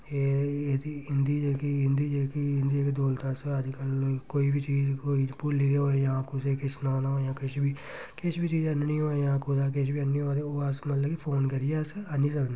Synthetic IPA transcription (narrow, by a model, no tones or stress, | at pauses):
eːet̪iɪnd̪iːd͡ʒeːkiɦɪ̃nd̪iːd͡ʒeːkiɪnd̪iːekd̪oːlt̪aːsəd͡ʒkəlkoːiːbʱit͡ʃiːd͡ʒkoːipʊliɡeoːejãːkʊseːkɪsnaːnajãːkɪt͡ʃbiː | kɪt͡ʃʰbiːt͡ʃiːd͡ʒənnĩːoajãːkod̪aːk̬ɪʃbiːənːiːoaːt̪eoːəsmət̪ləbipʰoːnkəɾieːsanĩːs̬əkne